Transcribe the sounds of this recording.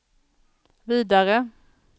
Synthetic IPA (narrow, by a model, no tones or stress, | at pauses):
viːd̪aɾə